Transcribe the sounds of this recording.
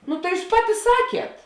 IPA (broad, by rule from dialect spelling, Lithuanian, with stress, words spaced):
ˈnʊ tɐɪ ˈjuːs ˈpɑːˌtʲɪ ˈsɑːkʲiɛt